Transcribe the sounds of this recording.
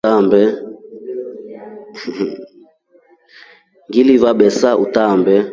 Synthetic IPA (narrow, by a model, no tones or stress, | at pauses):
ambɛ | ŋɡilivaɓɛsaʔutaːmbɛ